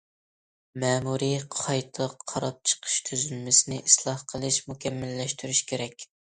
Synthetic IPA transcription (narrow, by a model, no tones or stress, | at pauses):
mɛːmuɾiqʰɑjt̪ʰəqʰːɑɾɑp̚t͡ʃʰə̥qʰə̥ʃt̪ʰyzylmɪsɪnɪʔislˠɑhqʰəlˠɨʃmukʲʰɛmːɪlːɛʃt̪ʰyɾyʃkʲʰeɾɛkʲ